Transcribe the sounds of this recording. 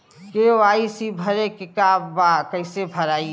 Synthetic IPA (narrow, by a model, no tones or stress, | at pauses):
keʋaːisibʱəɾekɪkaːbbakəɪsebʱəɾaːi